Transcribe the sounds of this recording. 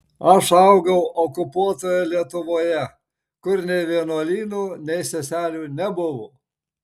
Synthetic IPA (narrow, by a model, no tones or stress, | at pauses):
ɐʃɐʊɡɐʊʔɔkʊpuɔt̪oːjɛlʲiɛt̪ʊʋoːjɛ | kʊɾnʲɛɪʋʲiɛnuɔlʲiːnuːnʲɛɪsʲɛsʲæːlʲuːnʲɛbʊʋʊ